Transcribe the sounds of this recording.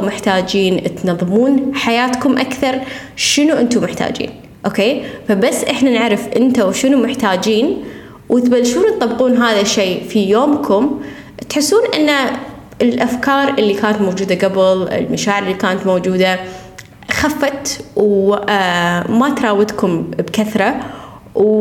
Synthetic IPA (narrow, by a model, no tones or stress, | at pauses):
mɪħt̪aːd͡ʒiːnʔɪt̪nɑðˤːɨmuːnħajaːt̪kʊmʔakθɑɾˤ | ʃɪnuʔɪnt̪ʊmɪħt̪a̰ːd͡ʒḭːn | ʔoːkeːfabasːʔɪħnanɪʕɾɪfʔɪnt̪awʃɪnumɪħt̪aːd͡ʒiːn | wʔɪt̪balːʃuːnt̪t̪ˤːɑbːquːnɦaːðaʃːeːfijoːmkʰʊm | t̪ħɪsːuːnʔɪnːa | ɪlʔafkɑːɾˤʔɪlːikaːnat̪mowd͡ʒuːd̪aɡabɪlɪ̰lmaʃaːʕɪɾɪlːikaːnat̪mowd͡ʒuːd̪a | xafːat̪w | mat̪ɾˤɑːwɪd̪kʊmbkaθɾˤɑ | w